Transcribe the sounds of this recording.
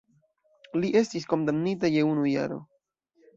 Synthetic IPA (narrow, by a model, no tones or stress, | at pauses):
liʔe̞stisko̞ndamnitaje̞unuja̰ɾo̞̰